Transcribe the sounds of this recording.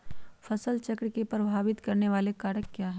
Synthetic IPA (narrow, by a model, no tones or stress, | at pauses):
fʰɐsəlt͡ʃɐkɽikepɾɐbʱaːʋɪt̪kɐɾneʋaːlekaːɾəkːjaːɦɛ